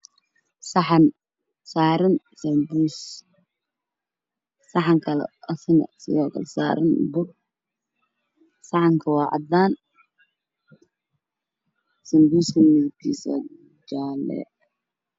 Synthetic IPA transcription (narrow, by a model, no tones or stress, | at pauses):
sɑħɑn | saːɾɐn | sɐmbuːs | sɑħɑŋkʰɐlɛ̰ɐsɪnɐ̰sɪ̰jɔːkʰɐ̰lsa̰ːɾɐnbʊr | sɑħɑŋkʰɐwɑːʕɑ̰d̪aːn | sɐmbuːskʰɐmɪɣt̪ʰḭːsɐ̰ | d͡ʒaːlɛ̰